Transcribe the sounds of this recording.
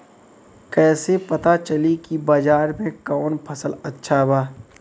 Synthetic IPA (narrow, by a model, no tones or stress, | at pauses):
kɛːsepɐt̪at͡ʃɐlikibad͡ʒaːɾmẽkɔːnpʰɐsəlɐtːʃʰabaː